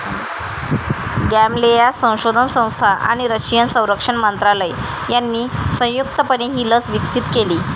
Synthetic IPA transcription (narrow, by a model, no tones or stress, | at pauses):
ɡæmlejasə̃w̃ɕod̪ʱənsə̃w̃st̪ʰaʔa̰ɽ̃iɾəɕijənsə̃w̃ɾəkʂəɳmənt̪ɾaləj | janːiːsə̃w̃jukt̪əpəɳeɦiːləsʋiksit̪keliː